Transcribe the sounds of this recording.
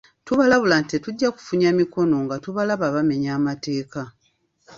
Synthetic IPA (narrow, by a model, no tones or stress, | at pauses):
tuβalaβulantetuɟːaku̥fuɲamiko̞no̞ŋɡatuβalaβaβame̞ɲaːmate̞ːka